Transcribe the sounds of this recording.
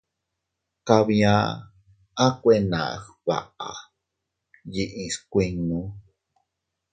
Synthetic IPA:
ka˧βĩã˦ | a˦kʷe˦˧nã̰˨xβa̰˨a̰˨ | ji˧ʔĩ˧skʷi˧ŋnũ˦

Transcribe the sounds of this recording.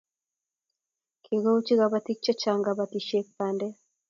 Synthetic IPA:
kʰi˨ɡo˦t͡ʃi˦ɣɡa˨ba˦t̪i˦k̚t͡ʃɔ˦t͡ʃa˨ŋɡa˨ba˨tiʃe˦k̚pandɛ˦

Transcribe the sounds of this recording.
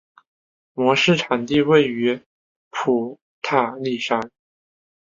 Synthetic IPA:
mwɔ˧˥ʂɻ̩˥˩ʈ͡ʂʰa˨˩nt̪i˥˧we˥˩ɪy˧˥ | pʰu˨˩ | t̪ʰa˥˧li˥˩ʂa˥n

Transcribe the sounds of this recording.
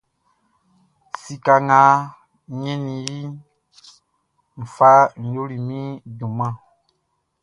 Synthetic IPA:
si˨ka˨ŋa˨˦ | ɲɛ̃˦ni˨ji˦ | m̩˨fa˦n̩˨jo˦ɾi˨mĩ˦dũ˨mã˦˨

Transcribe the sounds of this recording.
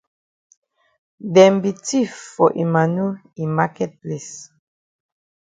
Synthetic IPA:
dɛ̃˨mbi˨ti˦fɔ˨ʔi˨ma˨nu˦ | i˨ma˦kɛ˦t̚ple˨s

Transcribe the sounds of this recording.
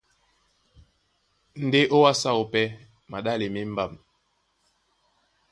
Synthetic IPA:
n̩˦de˦ʔo˦wa˦sa˦˨o˨pɛ˦ | ma˨ɗa˦le˨me˦m̩˦ba˦˨m

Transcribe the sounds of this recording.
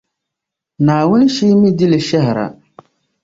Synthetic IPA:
naː˨wʊ˦n˦ʃiː˦mi˦di˦lɪ˨ʃɛ˦ɦɪ˨ɾa̰˨

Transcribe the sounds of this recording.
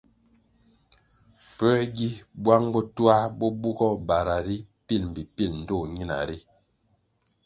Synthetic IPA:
pɛ˦ɡi˦bwa˦ŋbɔ˦tu˦a˦bɔ˦bu˦ɡɔ˦ba˨ɾa˨ɾi˦pi˦˨lm̩˨bi˨pi˦ln̩˨do˦˨ɲi˦na̰˨ɾi˦

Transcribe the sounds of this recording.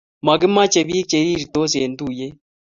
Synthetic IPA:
ma˨ɡɪ˦ma˦t͡ʃe˨βiː˦k̚t͡ʃe˨ɾiː˦ɾi˨t̪o˦s̬e˨n˦d̪u˦˨je˦

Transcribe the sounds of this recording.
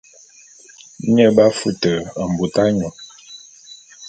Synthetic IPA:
ɲə˦˨ba˦fu˦tə˨ə˨m̩˨bu˨ta˦ɲɔ˨

